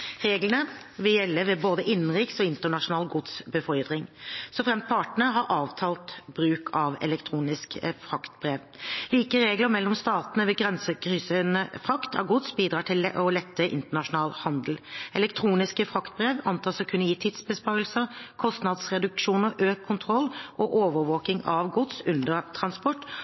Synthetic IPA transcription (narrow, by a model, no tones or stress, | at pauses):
ʁeːɡlənə | ʋɪljɛlːəʋɛboːd̪əʔɪnːn̩ɾɪksɔɪnt̪əɳɑʂʊnɑːlɡʊd̪sbəfɔʏd̪ʁɪŋsɔfʁɛmt̪̚pʰɑʈɳəɦɑɾʔɑːʋt̪ʰɑːlt̪b̥ɾʉːkʰɑʋɛ̰lɛkt̪ʰɾuːnɪskfɾɑkt̪̚bɾeːʋ | liːkəɾeːɡləmɛlːɔmst̪ɑːt̪ənəʋɛɡʁɛnsəkʰɾyːsənəfʁɑkt̪ʰɑ̰ɡʊt̪sbiːd̪ɾɑːʈʰɪlʔɔlɛt̪ːəʔɪ̰nt̪əɳɑʂʊnɑːlhɑnd̪l̩ʔɛlɛkt̪ʰɾuːnɪskəfʁɑkt̪̚bʁeːʋɑnt̪ʰɑːsɔkʰʉnːəjiːt̪ʰɪd̪sbəspɑɾəlsəkʰɔst̪nɑd̪sʁɛd̪ʉkʂuːnəʔøːkʰːʊnt̪ʰʁɔlːʔɔʔoːʋəɾʋoːkɪŋɑʋɡʊt̪sʉnd̪əɾt̪ʰɾɑnspɔʈː